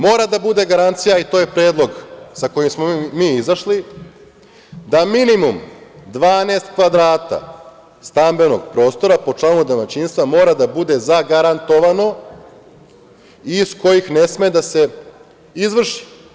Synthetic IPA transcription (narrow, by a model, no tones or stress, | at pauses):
mo̞ːɾad̪abud̪e̞ɡaɾant̪sijait̪o̞ːjepɾeːd̪lˠo̞ɡsako̞jimsmomiːizaʃli | d̪aminimumd̪ʋaːneːst̪kʋad̪ɾaːt̪a̰ | st̪ambe̞no̞ɡpɾo̞ːst̪o̞ɾapo̞t͡ʂlˠaːnud̪amat͡ɕinst̪ʋamo̞ːɾad̪abud̪e̞zaɡaɾant̪o̞ʋano̞ | isko̞jixne̞smed̪ase̞ | izʋr̩ʃi̥